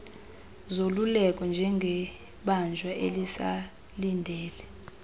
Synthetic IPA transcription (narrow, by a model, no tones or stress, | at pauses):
zolulɛkʼɔnd͡ʒʱɛŋɡʱɛ | ɓand͡ʒʱwaʔḛlisa | lindʱɛːlɛ